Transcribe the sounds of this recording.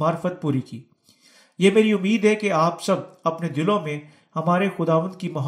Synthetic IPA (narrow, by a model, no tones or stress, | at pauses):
aːɾfət̪̚puːɾikiː | jeːmeːɾiʊmːiːd̪ɦɛkeaːpsɐb̚ɐpned̪ɪlõmẽ | hɐmaːɾexʊd̪aːʋə̃nd̪̚kimɐɦ